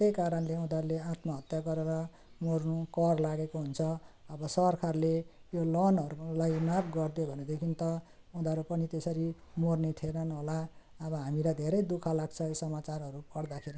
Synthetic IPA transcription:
t̪ejkaɾʌnleũd̪aɾuleãt̪mʌɦʌt̪jaɡʌɾeɾʌ | mornukʌrlaɡekoɦunt͡sʰʌʌbʌsʌrkʰarlejolʌnʌɾulajnabɡʌrd̪jobʱʌned̪ekʰint̪ʌ | ud̪aɾupʌnit̪esʌɾimornet̪ʰenʌnɦola | ʌβʌɦamilad̪ʱeɾʌjd̪ukʰalaɡt͡sʰʌosʌmat͡saɾɦʌɾupʌrd̪akʰeɾi

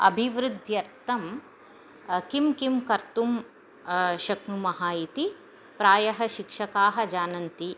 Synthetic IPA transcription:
ɐ̰bʱiʋɾud̪ʱjɐɾt̪ɐm | kimkimkɐɾt̪um | ʃɐknumɐɦaːit̪i | pɾaːjɐɦɐʃikʂɐkaːɦɐ̆d͡ʒaːnɐnt̪i

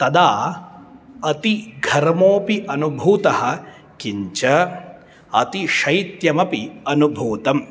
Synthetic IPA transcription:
t̪ɐd̪aː | ɐt̪iɡʱɐɾɐmoːpiʔɐnubʱuːt̪ɐhɐ̆ | kiɲt͡ʃɐ | ɐt̪iʃɐjt̪jɐmɐpiɐnubʱuːt̪ɐm

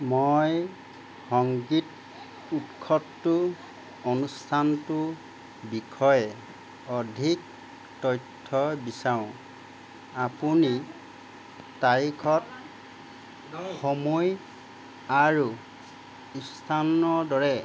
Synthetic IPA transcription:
mɔj | hɔŋɡit | utkʰɔtːʊ | ɔnustʰantu | bikʰɔjɛ | ɔdʱik̚ | tɔjtʰːɔbisaʊ̃ | apuni | tajkʰɔt̚ | xɔmuj | aɹu | istʰanɔdɔɹɛ

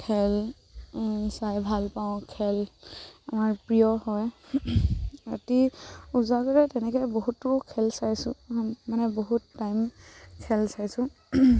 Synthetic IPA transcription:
kʰɛl | sajbʱalpaʊ̃kʰɛlamaɹpɹijɔhɔj | atiuzakɔɹɛtɛnɛkɛjboɦutːʊkʰɛlsajsʊ̃manɛboɦutːajmkʰɛlsajsʊ̃

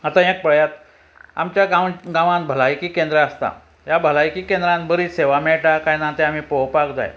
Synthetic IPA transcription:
at̪ãek̚pəɭjat̪̚ | a̰mt͡ɕjaɡaɡãʋãnbʱəlajkiːkend̪ɾəast̪a̰ | jabʱəlajkiːkẽnd̪ɾãnbəɾiːseʋameɭʈakãjnãt̪eam̤iːpowpakd͡za̰j

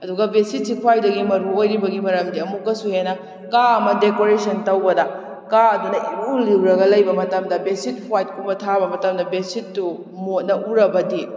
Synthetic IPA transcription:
ɐduɡɐbesit̚sikʰwajdɐɡimɐɾuojɾibɐɡimɐɾɐmdiɐmukːɐsuhenɐ | kaɐmɐdekoɾesɐntɐwbɐdɐ | kaɐdunɐʔiɾuliwɾɐɡɐlɐjbɐmɐtɐmdɐbesit̚pʰajt̚kʰumbɐtʰabɐmɐtɐmdɐbesitːu | mot̚nɐʔuɾɐbɐdi

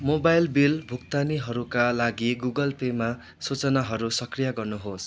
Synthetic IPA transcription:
mobajlbilbʱuk̚t̪aniɦʌɾukalaɡiɡuɡʌlpema | sut͡sʌnaɦʌɾusʌkrijaɡʌrnuɦos

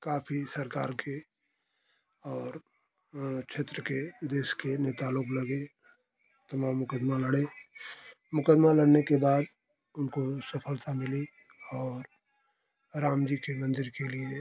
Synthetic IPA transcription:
kaːpʰisɐɾkaːɾkʰe | ɔːɾ | t͡ʃʰeːt̪ɾəked̪eːʃkenet̪aloːklɐɡe | t̪ɐmaːmːʊkəd̪malɐɽe | mʊkəd̪malɐɽnekebaːd̪ | ʊnkosɐpʰəlt̪amɪli | ɔːɾ | ɾaːmd͡ʒikemɐ̃nd̪ɪɾkelie

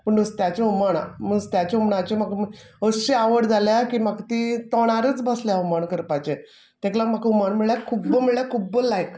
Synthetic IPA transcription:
pəɳəst̪jat͡ɕeumaɽa̰məst̪jat͡ɕeumɳat͡ɕemaɡ | əsɕiaʋəɽd͡zʱaljakiːmaɡt̪iːt̪ɔɽ̃aɾət͡sbəsljaumaɳkəɾpat͡ɕe | t̪eklamakumaɳmiɭjakʰubəmiɭjakʰubəlajk

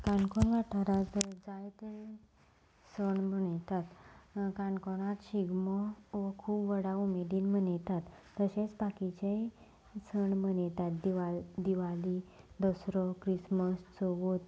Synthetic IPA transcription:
kaɳkɔɳʋaʈʰaɾat̪d͡zajt̪e | səɳməɳjt̪at̪kankɔɽ̃at̪ɕiɡmɔʋəkʰuːpʋəɽaumediːnmənjt̪at̪ːəɕet͡sbakit͡ɕe | səɳm̤ənt̪at̪d̪iad̪iʋalid̪əsɾɔkɾisməst͡sɔʋot̪

